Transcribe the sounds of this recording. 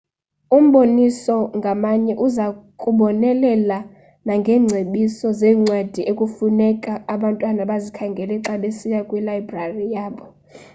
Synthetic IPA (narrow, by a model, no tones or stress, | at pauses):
um̩ɓonisɔŋɡʱamaɲɛʔuzakʼuɓɔnɛlɛla | naŋɡʱɛːŋ͡ǀʱeɓisɔzɛːŋ͡ǀwad̥ʱiʔekʼufunɛkʼaːɓantʼwanaɓazikʰaŋɡʱɛlɛǁaɓesijakʼwilajbrarijaːɓɔ